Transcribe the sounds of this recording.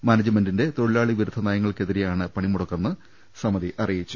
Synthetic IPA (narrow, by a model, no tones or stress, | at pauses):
maːnɐd͡ʑɐmendinde̞t̪oɻlaːɭiʋiɾud̪ʱːɐnaːjɐŋːɐɭke̞ðiɾejaːɳɨpɐɳimuɽɐkːɐnːɨ | sɐmɐðiʔɐrijit͡ɕːu̥